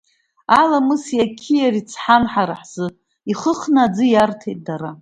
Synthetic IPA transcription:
alamɨsjakʲʰijaɾit͡sʰħanħaɾaħz̥ɨ | iχəχnaːd͡zɨjartʰejt̚ʼdaɾa

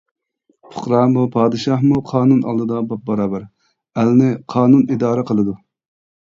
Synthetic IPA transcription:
pʰʊ̥qɾɑːmupʰɑːd̪ɨʃɑhmuqʰɑːnunɑ̰lˠd̪ɨd̪ɑbɑp̚bɑɾɑːbɛɾ | ælnɪqʰɑːnunid̪ɑːɾɛqʰəlˠɨd̪u

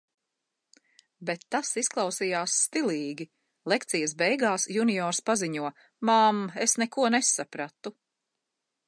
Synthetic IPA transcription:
bet̪ːasisklˠɑwsijaːsːt̪iliːɡʲi | lˠekt̪sijɐsbɛjɡaːsjunijɔːɾspaziɲuɔ | mamesnɛkuɔnɛsapɾat̪u

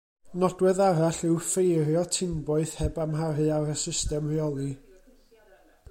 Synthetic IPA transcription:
nɔdwɛðaɾaɬɪwfejɾjɔtʰɪmbɔɨð̥hɛbamhaɾɨaɾəsɪstɛmrjɔlˠi

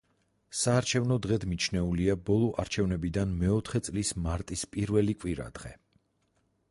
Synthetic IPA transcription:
saːɾt͡ʃʰɛvnɔd̪ʁɛd̪mit͡ʃʰnɛuliabɔlˠɔʔaɾt͡ʃʰɛvnɛbid̪anmɛɔt̪ʰχɛt̪sʼlismaɾt̪ʼispʼiɾvɛlikʼwiɾa̰d̪̥ʁɛ̰

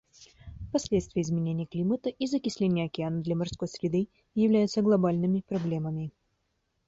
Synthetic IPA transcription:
fpɐsʲlʲet̪st̪vʲɪjəɪzmʲɪnʲenʲɪjəklʲimət̪əʔizəkʲɪsʲlʲenʲɪjəɐkʲɪanəd̪lʲɐmɐrsko̞jsʲɾʲɪd̪ɨ | jɪvlʲæjʊt̪səɡlˠɐbalʲnɨmʲɪpɾɐblʲeməmʲɪ

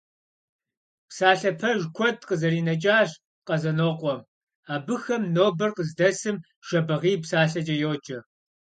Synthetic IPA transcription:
psaːɬɐpʰɐʒkʷʰɔdqəzɐɾiːnɐt͡ʃʼaːʒ | qɐzɐnoːqʷʼɔm | aːbɨxɐmnoːbɐrqəzdɐsɨm | ʒ̥ɐbɐʁiːpsaːɬɐd͡ʒʼɐjoːt͡ʃʼɐ

